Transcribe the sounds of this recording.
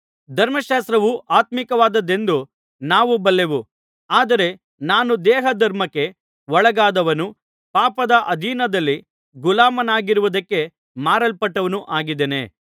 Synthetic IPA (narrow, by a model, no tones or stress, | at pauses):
d̪ʱɐɾmɐʃaːs̬t̪ɾɐʋuʔaːt̪mikɐʋaːd̪ɐd̪e̞nd̪u | naːʋubɐlːe̞ʋu | aːd̪ɐɾe̞ | naːnud̪ɛːɦɐd̪ʱɐɾmɐkːe̞ | ʋɔɭɐɡaːd̪ɐʋɐnu | paːpɐd̪ɐʔɐd̪ʱiːnɐd̪ɐlːi | ɡulaːmɐnaːɡiɾuʋud̪ɐkːe̞ | maːɾɐlpɐʈːɐʋɐnuʔaːɡid̪ene̞̰